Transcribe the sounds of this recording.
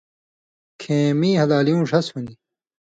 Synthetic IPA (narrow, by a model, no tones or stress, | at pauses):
kʰeːmĩːhɐlaːlijũːʂɐshuni